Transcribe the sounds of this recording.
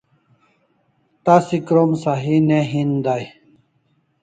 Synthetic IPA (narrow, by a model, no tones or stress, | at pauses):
t̪asikɾomsaɦineɦind̪aj